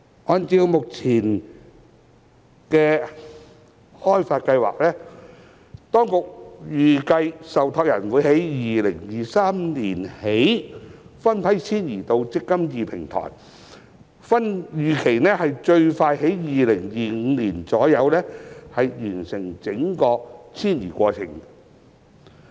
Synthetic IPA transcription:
ʔɔː˧nt͡siː˧wmʊ˨k̚t͡sʰiː˨˩n | kɛː˧ | hɔː˥jfaː˧t̚kɐ˧jwa̰ː˨k̚lɛː˥ | t̪ɔː˥ŋkʊ˨k̚jyː˨kɐ˧jsɐ˨wt̪ʰɔː˧k̚jɐ˨˩nwuː˨˧jɦe˨˥jjiː˨lɪ˨˩ŋjiː˨saː˥mniː˨˩nhe˨˥jfɐ˥npʰɐ˨˥jt͡sʰiː˥njiː˨˩t̪o˧wt͡sɪ˥kːɐ˥mjiː˨pʰɪ˨˩ŋt̪ʰɔ̰ː˨˩j | fɐ˥njyː˨kʰe˨˩jnɛː˥hɐ˨jt͡ʃɵ˧ɥfaː˧jhe˨˥jjiː˨lɪ˨˩ŋjiː˨˧ŋ̩ː˨˧niː˨˩nt͡sɔː˨˥jɐ˨˧wlɛː˥hɐ˨jjyː˨˩nsɪ˨˩ŋt͡sɪ˨˥ŋkɔː˧t͡sʰiː˥njḭː˨˩kʷɔː˧t͡sʰɪ̰˨˩ŋ

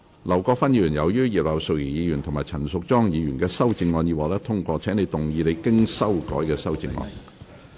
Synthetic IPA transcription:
lɐ˨˩wkɔː˧kfɐ˥njiː˨˧jy˨˩njɐ˨˧wjyː˥jiː˨p̚lɐ˨˩wso˨k̚jiː˨˩jiː˨˧jyː˨˩nt̪ʰʊ˨˩ŋmaː˨jt͡sʰɐ˨˩nsʊ˨k̚t͡sɔː˥ŋjiː˨˧ɥyː˨˩nkɛː˧sɐ˥wt͡sɪ˧ŋːɔː˧nji˨˧waː˨˥lɛː˥t̪ʰʊ˥ŋkʷɔː˧t͡sʰɛː˨˥ŋne˨˧jt̪ʊ˨ŋjiː˨˧le˨˧jkɪ˥ŋsɐ˥wkɔː˨˥jkɛː˧sɐ˥wt͡sɪ˧ŋːɔ̰ː˧n

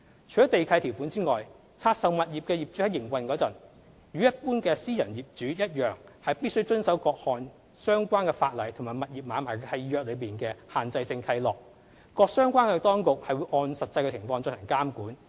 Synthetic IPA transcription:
t͡ʃʰɵ˨˩ɔ˨˥t̪e˨jkʰɐ˧jt̪ʰi˨˩wfu˨˥nt͡siː˥ŋɔː˨j | t͡sʰaː˧t̚sɐ˨wmɐ˨t̚jiː˨p̚kɛː˧jiː˨˩p̚t͡ʃy˨˥hɐ˨˥jːɪ˨˩ŋwɐ˨nkɔː˨˥t͡sɐ˨˩n | jyː˨˧jɐ˥t̚puː˥nkɛː˧siː˥jɐ˨˩njiː˨˩p̚t͡ʃyː˨˥jɐ˥t̚jœː˨ŋhɐ˨jpiː˥t̚sɵ˥wt͡ʃɵ˥nsɐ˨˥wkɔː˧k̚hɔː˨n | sœː˥ŋkʷaː˥nkɛː˧faː˧t̚lɐ˨˩jt̪ʰʊ˨˩ŋmaː˨˩jmɐ˨t̚jiː˨p̚maː˨˥nmaː˨˩jkʰɐ˧jjœː˨k̚lɵ˨˧ɥpiː˨nkɛː˧haː˨nt͡sɐ˧jsɪ˧ŋkʰɐ˧jlɔː˨˩k̚ | kɔː˧k̚sœː˥ŋkʷaː˥nkɛː˧t̪ɔː˥ŋkʊ˨k̚hɐ˨jwu˨˧jʔɔː˧nsɐ˨t̚t͡sɐ˧jkɛ˧t͡sʰɪ˨˩ŋfɔː˧ŋt͡sɵ˧nhʰɐ˨˩ŋkaː˥mkuː˨˥n

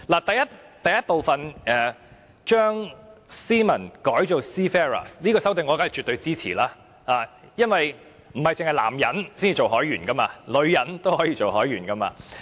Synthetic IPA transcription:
laː˨˩t̪ɐ˨jɐ˥t̚t̪ɐ˨jɐ˥t̚po˨wfɐ˨nɛː˨ | t͡ʃœː˥ŋsiː˥mɐ˨˩nkɔː˨˥jt͡ʃo˨wsiː˥fɛː˥ɹɐ̰˨sniː˥kɔː˧sɐ˥wt̪e˨ŋːɔː˨˧kaː˨˥jkt͡ʃy˨t̪ːɵ˧ɥt͡siː˥t͡sʰḭː˨˩laː˥ | aː˨˩ | jɐ˥nwɐ˨j | m̩˨˩hɐ˨jt͡sɪ˨ŋhɐ˨˩jla̰ː˨˩mjɐ˨˥nsiː˥nt͡siː˨˧t͡ʃo˨wɦɔː˨˥jɥyː˨˩nkɐ˥maː˧lɵ˨˧ɥjɐ˨˧˥nt̪o˥whɔː˨˥jiː˧t͡ʃo˨wɦɔː˨˥jyː˨˩nkɐ˥ma̰ː˧

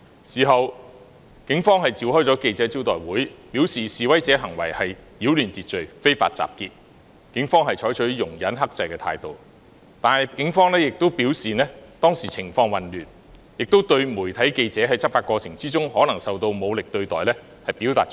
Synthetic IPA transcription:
siː˨˩ɦɐ˨w | kɪ˨˥ŋfɔː˥ŋɦɐ˨jt͡siː˨whɔː˥jt͡sɔ˨˥ke˧jt͡sɛː˨˥t͡si˥wt̪ɔ̰ː˨jwuː˨˥jpiː˨˥wsiː˨siː˨wɐ˥jt͡sɛː˨˥ɦɐ˨˩ŋwɐ̰˨˩jhɐ˨jjiː˨˥wlyː˨˩nt͡siː˨t̚t͡ʃɵ˨ɥfe˥jfa̰ː˧t̚t͡sa̰ː˨p̚kiː˧t̚ | kɪ˨˥ŋfɔː˥ŋɦɐ˨jt͡ʃʰɔː˨˥jt͡ʃʰɵ˨˥jʊ˨˩ŋjɐ˨˥nɦɐ˥k̚t͡sɐ˧jkɛː˧t̪ʰa̰ː˧jt̪o˨w | t̪aː˨nɐ˨jkɪ˨˥ŋfɔː˥ŋlɛː˥jɪ˨k̚t̪o˥wpiː˨˥wsiː˨nɛː˥t̪ɔː˥ŋsiː˨t͡sʰɪ˨˩ŋfɔː˧ŋwɐ˨nlyː˨˩n | jɪ˨k̚t̪o˥wt̪ɵ˧ɥmuː˨˩jt̪ʰɐ˨˥jke˧jt͡sɛː˨˥ɦɐ˨˧jt͡sʰɐ˥p̚faː˧t̚kʷɔː˧t͡sʰɪ˨˩ŋt͡siː˥t͡sʊ˥ŋhɔː˨˥nɐ˨˩ŋsɐ˨˧wt̪o˧wmo˨˧wlɪ˨k̚t̪ɵ˧ɥt̪ɔː˨˩jlɛː˥ | hɐ˨jpi˨˥wt̪aː˨t̚ː

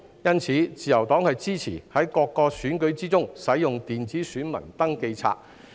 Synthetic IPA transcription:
jɐ˥nt͡sʰiː˨˥t͡siː˨˩jɐ˨˩wt̪ɔː˨˥ŋhɐ˨jt͡siː˥t͡sʰḭː˨˩hɐ˨˥jkɔː˧kːɔː˧syː˨˥nkɵ˨˥ɥt͡siː˥t͡sʊ˥ŋsɐ˨˥jjʊ˨ŋt̪iː˨nt͡siː˨˥syː˨˥nmɐ̰˨˩nt̪ɐ˥ŋke˧jt͡sʰa̰ː˧k̚

